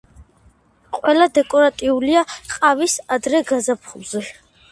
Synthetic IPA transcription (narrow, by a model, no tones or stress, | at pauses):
qʼwɛlad̪ɛkʼɔɾat̪ʼiuliaqʼavisad̪ɾɛɡazapʰχulˠzɛ